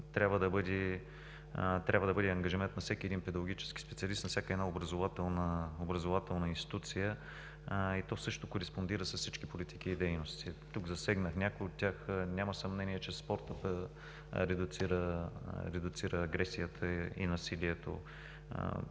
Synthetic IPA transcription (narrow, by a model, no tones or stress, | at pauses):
t̪ɾʲjabvəd̪ɐbɤd̪ɛ | t̪ɾʲabvəd̪ɐbɤd̪ɛɐŋɡɐʒimɛnt̪nɐfsɛkʲiɛd̪inpɛd̪ɐɡʊɡit͡ʃɛ̥ski̥spɛt̪sʲiɐlist̪nɐfsʲakəɛdnaobɾɐzʊvat̪ɛlˠnəobɾɐzʊvat̪ɛlˠnəinst̪i̥t̪ut̪sijə | it̪ɔsɤʃt̪ʊkoɾɛspond̪iɾəsɐsːit͡ʃkipolit̪i̥kiːd̪ɛjnost̪it̪uɡzɐsɛɡnəxnʲakʊjot̪ʲːaxnʲaməsɐmnɛniɛt͡ʃɛspɔɾt̪əpɛ | ɾɛd̪ʊt̪siɾəɾɛd̪ʊt̪siɾəːɡɾɛsijət̪ʰəḭnɐsiliɛt̪o̰